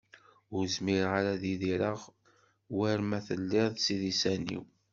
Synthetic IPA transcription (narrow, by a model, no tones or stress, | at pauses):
ʊɾzmiɾʁaɾaðiðiɾəʁ | wæɾmæθəlːɪðˤsiðisænḭw